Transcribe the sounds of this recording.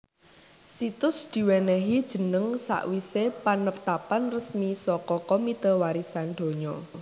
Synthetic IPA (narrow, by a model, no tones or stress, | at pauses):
sit̪ʊsd̪̥i̤wɛnɛɦid̥ʒ̥ə̤nəŋsa̰ʔwisepanəpt̪apanrəsmisɔkɔkomit̪əwaɾisanɖ̪̥o̤ɲɔ